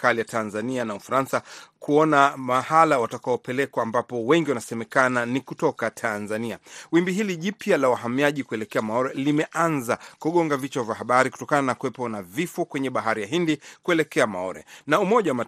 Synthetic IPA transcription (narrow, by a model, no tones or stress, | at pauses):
kalijatanzanianaufaɾansakuɔnamahalawatakaɔpɛlɛkwaːmbapɔwɛŋɡiwanasɛmɛkananikutɔkatʰanzania̰wimbiɦiliʄipjalawaɦamiaʄikuɛlɛkɛamaɔɾɛlimɛʔanzakuɠɔŋɡavit͡ʃavjaɦaɓaɾiku̥tɔkananakuwɛpɔnavifɔkwɛɲɛɓaɦaɾijaɦindikuɛlɛkɛamaɔ̰ɾɛ̰naumɔʄawama